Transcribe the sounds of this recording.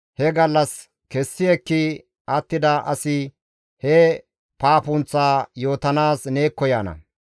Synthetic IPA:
hɛɡɐlːɐs | kɛsːɪɛkːɪ | ɐt̪ːɪd̪ɐʔɐsɪ | hɛ | paːpʊnt͡sːaːjo̞ːt̪ɐnaːsneːkːɔjaːnɐ̰

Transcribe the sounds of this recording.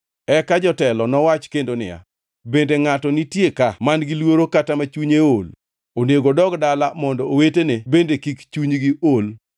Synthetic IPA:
ɛkad͡ʒɔtɛlɔnɔwat͡ʃkendonɪ̰ja̰ | bendeŋatɔnitjekamanɡilwoɾokatamat͡ʃuɲeol | onjeɡodɔɡdalamɔndɔowetenebendekikt͡ʃuɲɡiol

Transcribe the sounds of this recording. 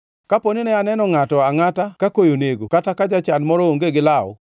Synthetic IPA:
kaponɪnɛanɛnɔŋatɔaŋatakakojoneɡokatakad͡ʒat͡ʃanmɔɾooŋɡeɡɪlaʊ̰

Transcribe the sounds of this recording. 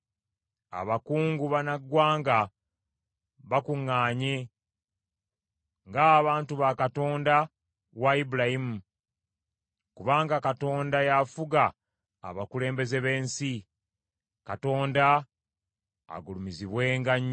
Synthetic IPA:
a̰βakuːŋɡuβanaɡwaːŋɡa | βakuŋːaːɲe̞ | ŋɡaːβaːntuβakato̞ːnda | waibulahimu | kuβaːŋɡakato̞ːndajafuɡa̰ː | βakule̞ːmbe̞ze̞βe̞ːnsi | kato̞ːnda | ɡulumiziβwe̞ːŋɡaɲ

